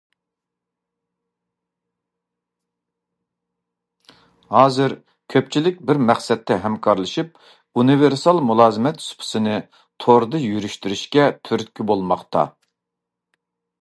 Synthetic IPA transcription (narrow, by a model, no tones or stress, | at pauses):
hɑːzɨɾ | kʲʰøp̚t͡ʃʰilɪk̚ʲbɪɾmæχsɛt̪ʰːɛɦɛmkʰɑɾlˠɨʃip̚ | unɨveɾsɑlˠmulˠɑːzɨmɛt̪su̥pʰɨ̥sɨnɨ | t̪ʰoɾd̪ɨjyɾyʃt̪yɾyʃkʲɛt̪ʰyɾt̪̚kʲʰybolˠmɑqt̪ʰɑ̰